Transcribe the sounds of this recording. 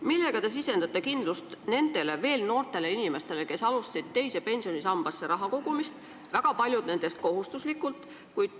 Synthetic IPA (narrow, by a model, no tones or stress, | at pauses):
milːe̞ɡ̥ɑt̪es̬ise̞nd̪̥ɑt̪ːˑekind̪̥lust̪ne̞nd̪̥e̞le̞ve̞ːlno̞ːrt̪ˑe̞le̞inime̞st̪e̞le̞ke̞sɑlust̪ɑ̥sid̪̥̚t̪e̞jse̞pe̞nʲsio̞nisɑmb̥ɑsːeɾɑɦɑko̞ɡ̥umist̪ | væɡ̥ɑpɑlʲjud̪̥ne̞nd̪̥e̞st̪̚ko̞ɦust̪uslikːˑult̪ːˑ | kujd̪̥